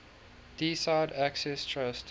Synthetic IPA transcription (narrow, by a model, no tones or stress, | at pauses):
d̥isaɪdæksɛstʰɹʌst